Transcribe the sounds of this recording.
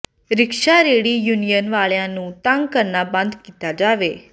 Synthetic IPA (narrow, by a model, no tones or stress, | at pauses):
ɾɪkʃaːɾeːɽiːjuːnijənʋaːɭjãːnũːt̪ə̃ŋɡkəɾnaːbə̃nd̪kiːt̪aːd͡ʒaːʋeː